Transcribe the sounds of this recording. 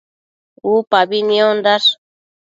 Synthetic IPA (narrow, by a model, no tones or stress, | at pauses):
upabiniond̪as